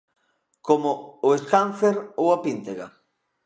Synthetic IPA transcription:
komʊʊeskanθeɾowapint̪eɣa

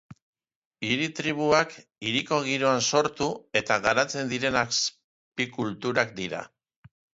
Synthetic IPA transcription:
iɾit̪ɾiβ̞uakiɾiko̞ɣ̞iɾo̞anso̞ɾt̪ue̞t̪aɣaɾat͡se̞nd̪iɾe̞nas | pikult̪uɾak̚d̪iɾa̰

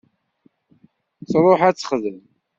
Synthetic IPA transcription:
sɾˤoħæt͡sːə̥χðən

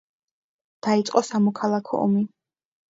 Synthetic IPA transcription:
d̪̥ait̪sʼqʼɔsamɔkʰalˠakʰɔ̰ʔɔ̰mi

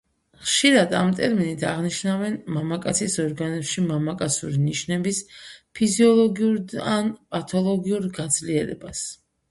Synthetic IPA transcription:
χʃiɾad̪amt̪ʼɛɾminit̪ʰaʁniʃnavɛnmamakʼat̪sʰisɔɾɡanɛpʃimamakʼat̪sʰuɾiniʃnɛbispʰiziɔlˠɔɡiuɾanpʼat̪ʰɔlˠɔɡiuɾɡad̪zliɛɾɛ̰bas

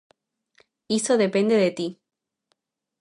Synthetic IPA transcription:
isoðepend̪eðet̪i

